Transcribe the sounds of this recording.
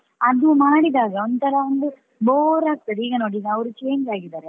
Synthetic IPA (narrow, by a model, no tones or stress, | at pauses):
ɐd̪umaːɽid̪aːɡɐond̪ut̪ʰɐɾɐond̪u | boːɾaːk̚t̪ɐd̪iːɡɐnoːɽid̪ɐʋɾut͡ʃe̞ːɲd͡ʒaːɡid̪aːɾe